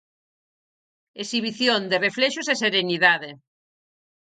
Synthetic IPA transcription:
esiβ̞iθjond̪erefleʃʊseseɾeniðaðe

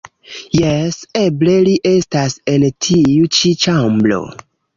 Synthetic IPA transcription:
jɛsebleliʔestasentʰiut͡ʃit͡ʃamblo̰

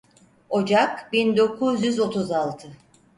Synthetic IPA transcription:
o̞d͡ʒakbind̪o̞kʰuzjyzo̞t̪ʰuzalˠt̪ʰɯ

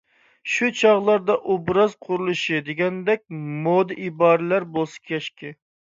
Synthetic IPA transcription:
ʃut͡ʃʰɑʁlˠɑɾd̪ɑʔobɾɑzqʰʊɾulˠɨʃɨd̪eɡʲɛnd̪ɛk̚ʲmod̪ɨʔibɑːɾɪlæɾbolˠsɨ̥kʲʰɛʃkʲɪ

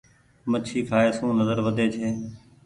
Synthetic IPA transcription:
mət͡ʃʰiːkʰaːeːsũːnəzəɾʋəd̪ʱeːt͡ʃʰeː

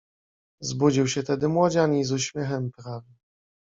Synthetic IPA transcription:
zbud͡ʑiwɕɛt̪ɛd̪ɘmwɔd͡ʑaɲʲizuɕmʲjɛxɛmpɾavʲɛ

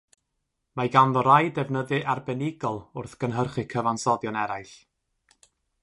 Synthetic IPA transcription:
maɡanðɔɾajdɛvnəðɨʔarbɛnɪɡɔlˠʊrθɡ̥ənɦərχɨkʰəvansɔdjɔnɛɾajɬ

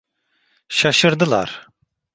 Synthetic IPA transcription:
ʃaʃɯɾd̪ɯlˠa̰ɾ

